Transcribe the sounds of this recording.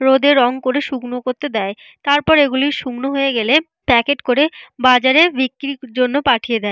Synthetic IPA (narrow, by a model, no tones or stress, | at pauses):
ɾod̪eɾɔŋkoɾeʃuɡnokoɾt̪ed̪ɛe | t̪aɾpɔɾeɡuliʃuɡnoɦojeɡɛle | pɛkeʈkoɾebad͡ʑaɾebikːɾid͡ʑonːopaʈʰijed̪ɛe